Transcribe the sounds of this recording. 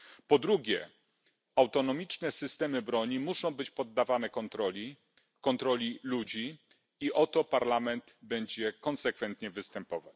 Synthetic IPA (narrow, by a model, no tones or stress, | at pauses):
pɔd̪ɾuɡʲjɛ | awt̪ɔnɔmʲit͡ʂnɛsɘst̪ɛmɘbɾɔɲimuʂɔ̃w̃bɘt͡ɕpɔd̪ːavanɛkɔnt̪ɾɔlʲi | kɔnt̪ɾɔlʲilud͡ʑi | iʔɔt̪ɔpaɾlamɛnd̪bɛɲd͡ʑɛkɔnsɛkfɛnt̪ɲɛvɘst̪ɛmpɔvat͡ɕ